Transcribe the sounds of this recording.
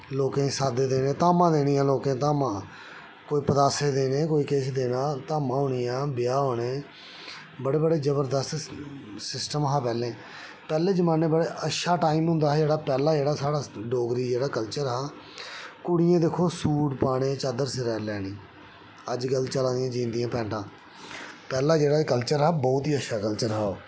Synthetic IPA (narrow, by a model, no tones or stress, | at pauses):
loːkẽːsaːd̪eːd̪eːnẽːt̪aːmãːd̪eːɽijãːloːkẽːt̪aːmãː | koːiːpəd̪aːseːd̪eːnẽːkoːiːkeːsd̪eːnãːt̪aːmãːɦoːɳiːjãːbɪjaːɦoːɽeː | bəɽeːbəɽeːzəbəɾd̪əst̪sɪsʈəmɦaːpɛːlẽː | pɛːlẽːd͡ʒəmaːneːbəɽeːʔətːʃaːʈaːiːmɦʊ̃nd̪aːɦɛːd͡ʒeːɽaːpɛːlaːd͡ʒeːɽaːsaːɽaːɖoːɡɾiːd͡ʒeːɽaːkəlt͡ʃəɾɦɛː | kʊɽɪjẽːd̪ekʰoːsuːʈpaːɽ̃eːt͡ʃaːd̪əɾsɪɾɛːlɛːɽĩː | əd͡ʒɡəlt͡ʃəlãːd̪ɪjãːd͡ʒĩːnd̪ɪjãːpɛ̃ːɳʈãː | pɛːlãːd͡ʒeːɽaːkəlt͡ʃəɾɦɛːbɔːt̪ɦiːətːʃʰaːkəlt͡ʃəɾɦɛːoː